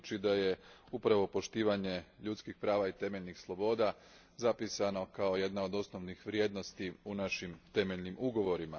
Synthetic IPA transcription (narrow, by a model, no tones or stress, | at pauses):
t͡ʃid̪aje̞upɾaʋo̞po̞ʃt̪iːʋaɲe̞ʎut̪skixpɾaːʋait̪e̞meʎnixslˠo̞bo̞ːd̪a | zapisano̞kao̞je̞d̪nao̞d̪o̞sno̞ʋnixʋɾje̞ːd̪no̞st̪iunaʃimt̪e̞meʎnimuɡo̞ʋo̞ɾima